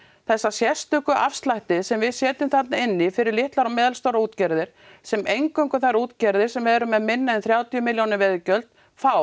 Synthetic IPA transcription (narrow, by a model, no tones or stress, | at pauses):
θɛsːasjɛst̪ʏkʏʔa̰fst̪lajht̪ɪsɛmvɪðsjɛːt̪ʏmθat̪naɪnːɪfɪɾɪɾlɪht̪laɾɔmɛːðalst̪owɾauːt̪cɛɾðɪɾ̥ | sɛmejŋkœŋkʏθaɾuːt̪cɛɾðɪɾ̥sɛmvɛðɛɾʏmɛðmɪnːaɪnθɾjaːwt̪jʏmɪljownɪɾvɛðcœlt̪ | faw